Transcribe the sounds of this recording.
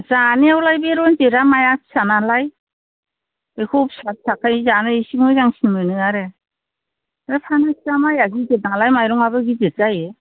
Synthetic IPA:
zaniawlajbeɾɔnzeɾamajaksanalaj | ekʰɔp̚sat̚sʰakʰajzanɯisiŋɯjzaŋsinmɯnɯaɾe | ɾɯpʰanakzamajaɡizenalajmajɾɔŋabɯɡizet̚zaje

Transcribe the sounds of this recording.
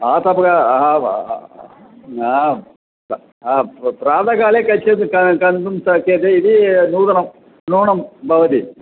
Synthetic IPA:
aːt̪ɐbɐɡa | a | apraːd̪ɐɣaːlekɐt͡ɕːenkɐkɐnd̪umsɐkeːd̪eiðinuːðɐɳɐm | nuːɳɐmbʱɐʋɐd̪i

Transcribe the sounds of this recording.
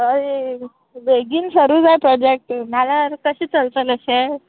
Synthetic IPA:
əɾe | beɡiːnsəɾuːd͡zajpɾɔd͡ʑek̚ʈm̤alakəɕiːt͡səlt͡sələɕe

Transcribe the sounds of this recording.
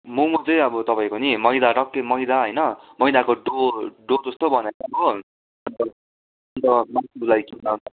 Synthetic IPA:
mumʌd͡zʌjʌbʌt̪ʌpaĩkonimʌjd̪aɖʌkːemʌjd̪aɦʌjnʌmʌjd̪akoɖoɖod͡zʌst̪obʱʌneɾabo | ʌdd̪ʌ | ʌnt̪ʌmasulajkinat̪

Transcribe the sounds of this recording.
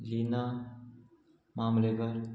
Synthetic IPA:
lina | mamleɡəɾ

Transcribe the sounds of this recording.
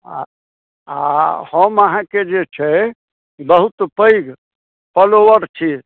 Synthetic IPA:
a | ahəməɦãked͡ʒet͡ʃʰɛ | bəɦut̪pəiɡ | pəloʋəɾt͡ʃʰi

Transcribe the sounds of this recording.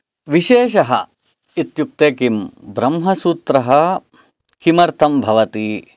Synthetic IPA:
ʋiʃeːʃɐɦɐ̰ | it̪juk̚t̪eːkimbɾɐmɦɐsuːt̪ɾɐɦɐ | kimɐɾt̪ʰɐmbʱɐʋɐt̪i

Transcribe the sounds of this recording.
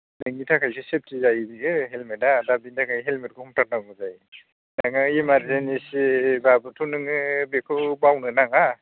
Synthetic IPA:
nɯŋitʰakʰajsʰesep̚tʰizajbiɯɦelmedadabindakajɦelmet̚kʰɔhɔŋtʰaɾ̚naɡuzaj | naŋɯimaɾzenisibabɯtʰunɯŋɯbekʰɯbawnɯnaŋa

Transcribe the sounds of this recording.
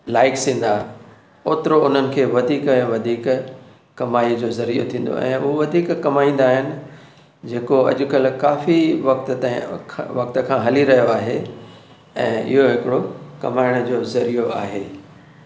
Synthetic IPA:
laːɪksĩːn̆d̪a | oːt̪ɪɾoʊn̤ənɪ̆kʰeːʋɐd̪ʱiːkɛ̃ːʋɐd̪ʱiːkː | ɐmaːid͡ʑoːzɐɾijo̰t̪ʰĩːn̆d̪o̰ʔɛ̰̃ːʊɦoʋɐd̪ʱiːkːɐmaːĩːnd̪aːɦɪnɪ̆ | d͡ʑeːkoɐ̰ʄʊ̆kɐlkaːfiʋɐk̚t̪t̪ãʋɐk̚t̪ə̆kʰãɦɐliɾɐɦijoaːɦe | ɛ̰̃ːɪ̰ɦoɦɪkɪɽokɐmaːɪɽ̃ʊd͡ʑoːzɐɾijoa̰ːɦeː

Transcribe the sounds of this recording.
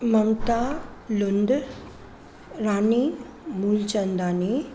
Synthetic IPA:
mɐmt̪alund̪ | ɾaːni | muːlt͡ʃɐnd̪aːni

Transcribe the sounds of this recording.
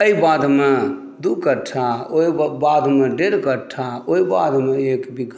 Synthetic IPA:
əibad̪me | d̪ukəʈʰaoibad̪meɖeɾkəɾʈʰaoiba̰d̪ʱmeekbiɡʱ

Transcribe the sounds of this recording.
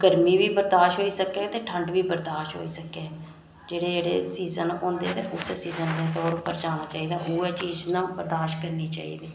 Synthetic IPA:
ɡəɾmiːʋiːbəɾd̪aːʃɦoːiːsəkeːt̪eːʈʰəɳɖʋiːbəɾd̪aːʃɦo̰ːiːsəkeː | d͡ʒeːɽeːd͡ʒeːɽḛːsiːzənõːnd̪eɛt̪eʔʊseːsiːzənd̪eːt̪ɔːɾʊpːəɾd͡ʒaːnaːt͡ʃaːiːd̪aːɦuːɛːt͡ʃiːznãːbəɾd̪aːʃkəɾneːt͡ʃa̰ːḭːd̪iː

